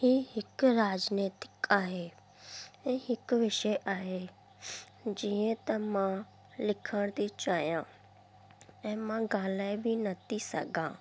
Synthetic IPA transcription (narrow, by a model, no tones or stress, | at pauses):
hiːɦɪkɾaːd͡ʒneːt̪ɪ̥kaːɦe | ɛ̃ːɦɪkʋɪʃəjʔaːɦe | d͡ʒiːə̃t̪ɐmã | lɪkʰəɽ̃t̪it͡ʃaːjã | ɛ̃ːmãɡãːlaːebʱinɐt̪ʰisɐ̰ɡʱã̰ː